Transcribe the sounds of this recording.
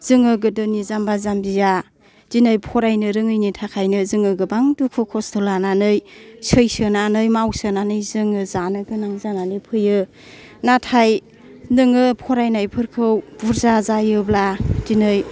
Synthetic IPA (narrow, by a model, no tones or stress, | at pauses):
z̥ɯŋɯɡɯdɯnizambazambija | z̥inɯjpʰɔɾajnɯɾɯŋɯjnitʰakʰajnɯzɯŋɯɡɯbaŋdukʰɯkʰɔstʰɔlananɯjsɯjsɯnanɯjmawsɯnanɯjzɯŋɯzanɯɡɯnaŋzananɯjpʰɯjɯ | natʰaj | nɯŋɯpʰɔɾajnajpʰɯɾkʰɯwb̥uɾzazajɯblad̥inɯj